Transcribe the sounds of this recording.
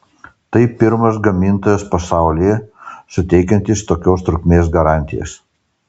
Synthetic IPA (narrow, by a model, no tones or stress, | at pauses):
t̪ɐɪpʲɪɾmɐsɡɐmʲɪnˑt̪oːjɛspɐsɑˑʊlʲɪjɛsʊt̪ʲɛɪkʲɐnʲt̪ʲɪst̪oːkʲoːst̪ɾʊkʲmʲeːs̬ɡɐɾɑˑnʲt̪ʲɪjɛ̰s